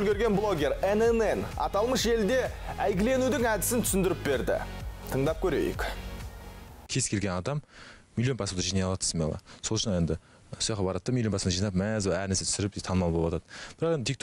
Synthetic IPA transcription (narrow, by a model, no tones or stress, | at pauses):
ʒɵlɡʲe̞ɾɡʲe̞nblˠo̞ɡʲe̞ɾenenenɑ̰t̪ɑlˠməʃe̞ld̪e̞æjɡʲɪle̞nud̪ɪŋæd̪ɪsɪnt̪ʰʏsɪnd̪ɪɾɪp̚be̞ɾd̪ɪ̰t̪ʰəɴd̪ɑp̚kʲʰɵɾe̞̰jɪ̰kʲ | kʲʰe̞zkʲelɡʲenɑd̪ɑmmilʲˠijo̞npʰɑsəmd̪ɑʒijnɑjlˠɑt̪ʰəsmḛlˠɑ̰soʃnɑe̞nd̪ɪ | sujɑqɑbɑɾɑt̪ːəmilʲjopɑsəmɑʒijnɑpmæzæɾɪnæɾse̞t̪ʰʏsɪɾɪpd̪et̪ʰɑnmɑlˠbolˠwɑt̪ɑd̪əb̥ɪɾɑqed̪ʰʲik̚t̪